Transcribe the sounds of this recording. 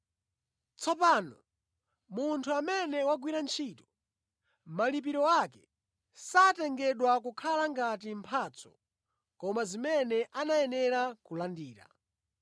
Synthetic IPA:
t͡sɔpaːnɔ | muntʰuamɛnɛwaɡwiɾant͡ʃʰiːtɔ̥ | malip̬iɾɔakɛ | satɛŋɡɛɗwakukʰalaŋɡatimpʰaːt͡sʰɔ̥̰ | kɔmazimɛnɛʔanajɛnɛɾakulandiːɾa̰

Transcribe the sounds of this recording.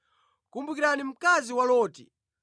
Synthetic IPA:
kumbukiɾanim̩kaziwalɔːtḭ

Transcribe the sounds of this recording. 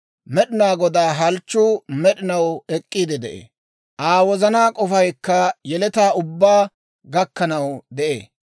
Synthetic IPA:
mɛɗɪnaːɡɔd̪aːɦɐlt͡ʃːʊːmɛɗɪnɐwɛkʼːiːd̪ɪd̪ɛʔḛː | ʔaːwɔzɐnaːkʼɔfɐjkːɐjɛlɛt̪aːʊbːaː | ɡɐkːɐnɐwd̪ɛʔeː

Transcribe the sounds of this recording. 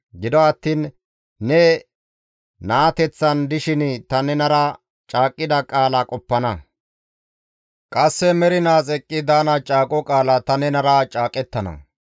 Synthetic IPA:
ɡɪd̪ɔɐt̪ːiːnː | ɛ | naːt̪ɛt͡sːɐnd̪ɪʃɪnt̪ɐnɛnɐɾɐ | t͡ʃʼaːkʼːɪd̪ɐkʼaːlakʼɔpːɐnɐ | kʼɐsːɛmɛɾɪnaːsʼɛkʼːɪd̪aːnɐt͡ʃʼaːkʼɔkʼaːlɐt̪ɐnɛnɐɾat͡ʃʼaːkʼɛt̪ːɐnɐ̰

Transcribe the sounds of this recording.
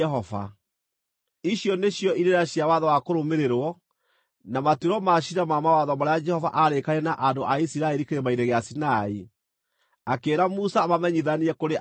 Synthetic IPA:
ɦɔva̰ | iɕjɔneɕjɔʔiɾeɾaɕjawaðɔwakoɾomeɾeɾwɔ | namatuɾɔmaɕinamamawaðɔmaɾead͡ʒɛhɔvaʔaɾekaɾɛnaʔandoʔaisiɾaɛɾikeɾemaiɾɛɣeasinai | akeːɾamusamamɛɲiðaniɛkoɾe

